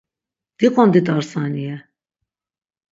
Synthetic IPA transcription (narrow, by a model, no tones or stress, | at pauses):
d̪̥ikʼɔnd̪it̪aɾsaniɛ